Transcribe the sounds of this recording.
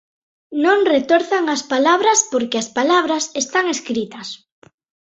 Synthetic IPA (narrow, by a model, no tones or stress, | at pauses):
nõŋret̪oɾθaŋaspalaβɾɐspoɾkɪɐspalaβ̞ɾasest̪aŋeskɾit̪ɐs